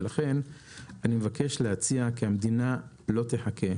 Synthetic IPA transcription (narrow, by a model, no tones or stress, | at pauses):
laχe̞n | animevakeʃleat͡siakiamed̪ina | lo̞t̪eħakʰe̞